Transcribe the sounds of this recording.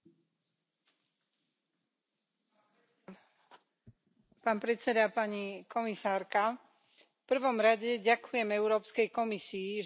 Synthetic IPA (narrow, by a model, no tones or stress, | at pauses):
paːnpɾɛt͡sɛd̪apaɲikɔmisaːɾka | fpr̩ʋɔmɾaɟɛɟakujɛmɛʊɾɔːpskɛjkɔmisiː